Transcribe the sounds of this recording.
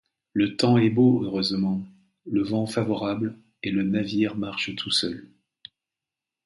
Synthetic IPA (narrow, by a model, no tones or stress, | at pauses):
lət̪ɑ̃ɛboøʁøzmɑ̃ | ləvɑ̃favɔʁabl | elənaviʁmaʁʃt̪ʰusœl